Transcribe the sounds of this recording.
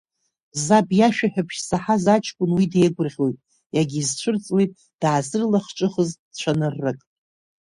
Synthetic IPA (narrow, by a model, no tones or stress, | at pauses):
zabjaʃᶣaħᶣapʰʃsaħazat͡ʃʰkʷʼʊnwide̞jɡʷʊrʁʲo̞jtʼ | jaɡʲizt͡ʃʷʰɨrt͡sʼwe̞jtʼ | d̥aːzɨrlaχʈ͡ʂʼɨχəz̥ | t͡ɕʷʰanɨrːɨkʼ